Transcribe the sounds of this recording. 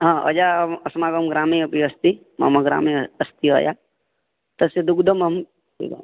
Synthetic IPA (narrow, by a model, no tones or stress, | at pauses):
ɦãːɔ̰d͡ʒaɐsmaːɡəmɡɾaːmiɐpiɐst̪i | ma̰mɐɡɾa̰ːmiɐst̪iɦo̰ːja̰ | t̪ɐsed̪ukd̪əmɐm | ḭ